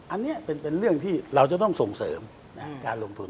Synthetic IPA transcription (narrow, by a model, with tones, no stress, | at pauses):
ʔa˧nːi˦˥ɐpe˧npe˧nɾɯ˥˩əŋt̪ʰiː˥˩ɾa˧wt͡ɕa˨˩˦t̪ɔ˥˩ŋso˨˩ŋsɤː˩˦m | na˦˥kaː˧nlo˧ŋt̪ʰu˧n